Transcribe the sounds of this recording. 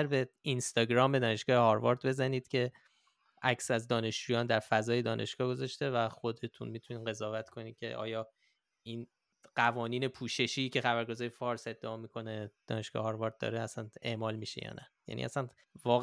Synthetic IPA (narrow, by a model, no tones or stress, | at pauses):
ɾbeinst̪ɒːɟɾɒːmbe̞d̪ɒːne̞ʃɡ̥ɒːhehɒɾvɒɾd̪be̞zæniːd̪̥cʰe̞ | ʔæksæzd̪ɒːne̞ʃd͡ʒuːjɒːnd̪æɾfæzɒːjed̪ɒːnʔe̞̰ʃɡ̥ɒːɡo̞zɒʃt̪e̞væxo̞d̪e̞t̪ʰunmiːt̪ʰuniːʁe̞zɒːvæt̪kʰo̞niːcʰe̞̰ʔɒ̰ːjɒː | iːn | ɢ̥ævɒːniːne̞pʰuːʃe̞ʃice̞xæbæɾɡo̞zɒːɾefɒːɾse̞d̪ːeɒːmikʰo̞ned̪̥ɒ̰ːne̞ʃɡ̥ɒ̰ːhehɒːɾvɒːɾd̪̚d̪ɒ̰ːɾeæsæne̞ʔmɒːlmiːʃḛjɒ̰næjæ̰nʔḭʔæ̰sæn | vɒːɣ